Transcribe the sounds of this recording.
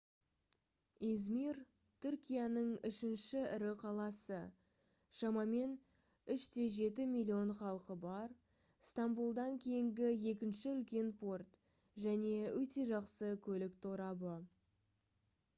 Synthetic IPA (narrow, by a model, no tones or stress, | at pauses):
ezmir | t̪ʰʏɾkʲijanəɴʏʃɪnʃɪɪɾɪqʰɑlˠɑsə | ʃɑmɑme̞n | ʏʃt̪ʰe̞ʒe̞t̪ɪmʲilʲːio̞nχɑlˠqəbɑɾ | st̪ambulˠd̪ɑŋkʲʰe̞jɪŋɡʲɪje̞kʲɪnʃɪʏlkʲe̞npʰo̞rt̪ | ʒæne̞wɵt̪e̞ʒɑqsəkʲʰɵlɪkt̪ʰoɾɑbə